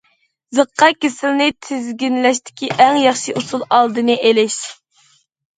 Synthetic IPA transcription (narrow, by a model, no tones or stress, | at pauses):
zəqʰːɑkʲesɪlnɪt̪ʰɪzɡʲinlɛʃ̬t̪ʰɪ̥kʲiʔɛŋjɑχʃiʔusulˠɑlˠd̪ɨnɨʔelɪʃ